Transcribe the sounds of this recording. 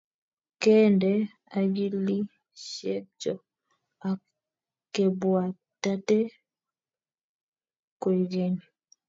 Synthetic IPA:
kɛ˦ndɛ˦ | a˨ɡi˦li˦ | ʃɛ˦t͡ʃɔ˨ | a˨ | ke˨bwa˨ | ta˦tɛ˦ | ke˨d͡ʒe˦ni˨

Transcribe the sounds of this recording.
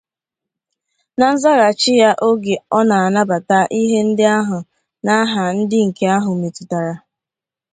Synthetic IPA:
na˦n̩˦za˦ɾa˨t͡ʃɪ˦ja˦ʔo˦ɡe˨ɔ˦na˨a˨na˦ba˨ta˦ʔi˦ɦe˦n̩˦dɪ˦a˦ɦʊ˨ | na˦ɦa˨n̩˦dɪ˦ŋ̩˨ke˦a˦ɦʊ˨me˨tʊ˨ta˨ɾa˨

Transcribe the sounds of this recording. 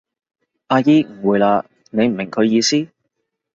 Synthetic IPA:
ʔaː˧jiː˥m̩˨˩wuː˨˧jlaː˧ | ne˨˧jm̩˨˩mɪ˨˩ŋkʰɵ˨˧ɥjiː˨˧siː˥

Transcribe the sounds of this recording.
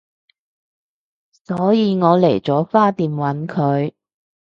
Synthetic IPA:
sɔː˨˥jiː˨˧ŋɔː˨˧le˨˩jt͡sɔː˨˥faː˥t̪iː˨˧mwɐ˨˥nkʰɵ˨˧ɥ

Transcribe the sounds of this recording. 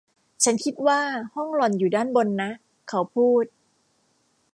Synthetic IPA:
t͡ɕʰa˦˥nkʰi˦˥t̪̚waː˥˩hɔ˥˩ŋlɔ˨˩njuː˨˩daː˥˩nbo˧nːa˦˥ | kʰa˦˥wpʰuː˥˩t̪̚

